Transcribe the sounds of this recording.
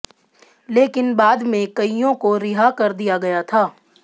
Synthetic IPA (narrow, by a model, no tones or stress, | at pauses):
leːkɪnbaːd̪mẽkɐijõkoɾɪɦakɐɾd̪ijaɡɐjat̪ʰaː